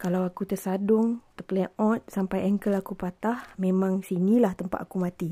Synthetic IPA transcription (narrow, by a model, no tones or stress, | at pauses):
kalawakut̪ərsadʊŋt̪əpleʔɔ̃t̪̚sampajʔɛŋkəlakupat̪ahmẽmãŋsinilaht̪əmpa̰ʔ̪akumãt̪i